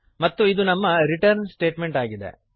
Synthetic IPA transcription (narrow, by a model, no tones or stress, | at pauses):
mɐt̪ːuid̪unɐmːɐɾiʈɐɾnsʈe̞ːʈme̞ɳʈaːɡid̪e̞̰